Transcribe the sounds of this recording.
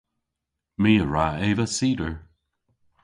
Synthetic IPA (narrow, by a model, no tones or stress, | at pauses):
miːəɹaeːvəsiːdəɹ